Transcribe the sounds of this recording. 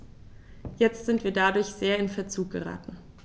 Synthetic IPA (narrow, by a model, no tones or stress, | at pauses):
jɛt͡stz̥ɪntv̥iːɐdadʊɐçz̥eːɐɪnfɛɐt͡suːk̚ɡ̥ə̰ʁa̰ːtn̩